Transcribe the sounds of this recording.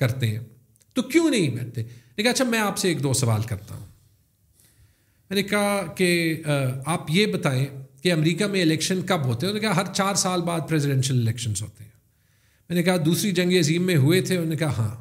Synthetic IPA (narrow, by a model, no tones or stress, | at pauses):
kɐɾt̪eɦɛ̰̃ː | t̪okjõːnɐɦĩbɛ̰ːʈ̚t̪eɛɛnekaɐtːʃʰamɛ̃ːaːpseːkd̪oːsɐʋa̰ːlkɐɾt̪a̰ɦṵ̃ː | mɛːnekɐɦake | aːpjebɐt̪aːẽkeɐmɾiːkamẽɪlɛːkʃənkɐbɦoːt̪eɦɛ̃oɾnekɐɦaɦɐɾt͡ʃaːɾsaːlbaːd̪̚pɾɛːzɪɖɛ̃ːnʃəlɪlɛːkʃənzɦo̰ːt̪eɦɛ̃ː | mɛ̃ːnekɐɦad̪uːsɾid͡ʒɐ̃ŋɡeɐziːmːẽɦʊet̪ʰeɾnekaɦaɦã̰ː